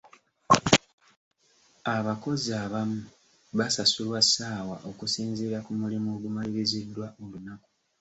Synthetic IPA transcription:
aβako̞ziaβamu | βasasulwasaːwaʔo̞kusiːnzeɾakumulimoɡumaliβizidːwaʔo̞lunaku̥

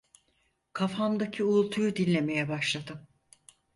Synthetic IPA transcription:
kʰafamd̪acʰiulˠt̪ʰujud̪inʲːe̞me̞jɛbaʃlˠad̪ɯm

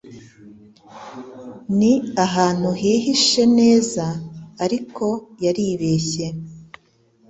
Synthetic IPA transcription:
niaɦaːn̥huɦiːɦiʃe̞ne̞ːzaːɾikʰo̞jaɾiːβeːçe̞

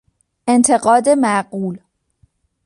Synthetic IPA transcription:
ʔe̞nt̪ʰe̞ɢɒːd̪e̞mæɢuːl

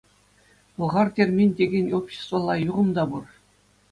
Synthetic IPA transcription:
ɤ̆lˠʁɑrtʲerʲmʲinʲtʲeɡʲenʲopɕɘ̥st̪vɑlˠɑjuʁɤ̆md̪ɑbur

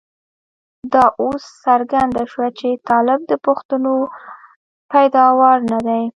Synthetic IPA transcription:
d̪ɑʔosːaɾɡand̪aʃwat͡ʃet̪ɑlɪb̚d̪əpʊxt̪ano | pajd̪ɑwɑɾnad̪aj

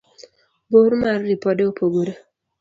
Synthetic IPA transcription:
boɾmarːipɔdeopʰoɡoɾe

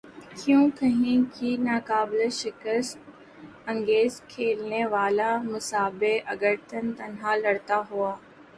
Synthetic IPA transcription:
kɪjũːkɐɦĩkinaːkaːbleʃɪkəst̪ | ɐ̃ŋɡeːzkʰeːlneʋaːlamʊsaːbeʔɐɡəɾt̪ʰənt̪ɐnɦalɐɽt̪aɦuaː

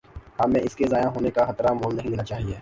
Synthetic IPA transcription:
aːmːɛ̃ɪskezaːjãɦoːnekaxɐt̪ɾamoːlnɐɦĩd̪ɪnat͡ʃaːɦieː

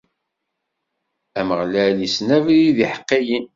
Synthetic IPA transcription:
æməʁlælisnævliðiħə̥qːijin

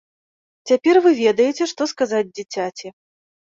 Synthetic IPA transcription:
t͡sʲapʲɛrvɨvʲɛd̪ɐjet͡sʲɛʂt̪ɔskazad͡zʲd͡zʲit͡sʲat͡sʲɛ

